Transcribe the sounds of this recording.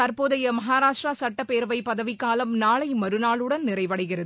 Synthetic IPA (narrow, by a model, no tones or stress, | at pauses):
ɐɾpoːðɐjɐmɐɦaːɾaːʂʈrasɐʈːɐpeːɾʋɐɪpɐðɐʋɪkːaːlɐmnaːɭɐɪmɐɾɯnaːɭɯɽɐnnɪrɐɪʋɐɽɐɪɣɪrɐðɯ